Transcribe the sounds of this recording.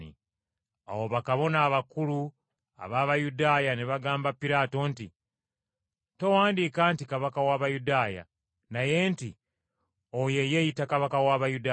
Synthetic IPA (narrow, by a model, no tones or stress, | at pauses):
ḭ | a̰woβakaβo̞naːβakulu | a̰βaβajudaːjaniβaɡaːmbapːiɾaːto̞ntḭ | to̞waːndiːkaːntikaβakawaːβajudaːja̰ | naje̞ːnti | oje̞jejitakaβakawaːβajuda